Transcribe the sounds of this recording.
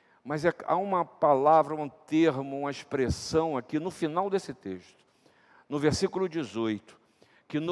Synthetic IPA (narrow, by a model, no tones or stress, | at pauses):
mɐzɛa̰ũmɐpalavɾɐũt̪eɾmʊũmɐiʃpɾesɐ̃w̃akinʊfinawd̪esɪt̪eʃt̪ʊ̥ | nʊveɾsikulʊd͡ʒizojt̪ʊ̥ | kɪn